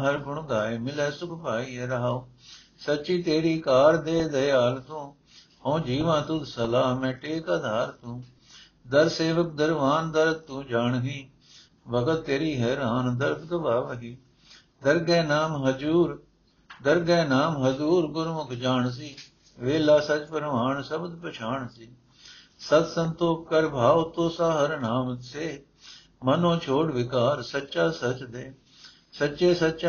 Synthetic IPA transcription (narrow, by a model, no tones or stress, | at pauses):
ɦəɾbʊɳɡaːeːmɪlɛːsʊkʰpaːiːɦɛːɾəɦaoː | sətːt͡ʃiːt̪eːɽiːkaːɾd̪eːd̪əjaːlt̪ũː | hõːd͡ʒiːʋãːt̪ũːd̪səlaːɦmɛ̃ːʈeːkaːd̪ʱaːɾt̪ũː | d̪əɾseːʋək̚d̪əɾʋaːnd̪əɾ̚t̪ũːd͡ʒaːɳɦiː | bəkət̪t̪eːɾiːɦɛːɾaːnd̪əɾkd̪əbaːʋəɦiː | d̪əɾɡɛːnaːmɦəd͡ʒuːɾ | d̪əɾɡɛːnaːmɦəzuːɾɡʊɾmʊkʰd͡ʒaːɳs̬iː | ʋeːlaːsət͡ʃpəɾʋaːɳsəbd̪pət͡ʃʰaːɳsiː | sət̪sənt̪oːp̚kəɾbʱaːʋt̪õːsaːɦəɾnaːmseː | mənõːt͡ʃʰoːɽʋɪkaːɾsətːʃaːsət͡ʃd̪eː | sətːʃeːsətːʃa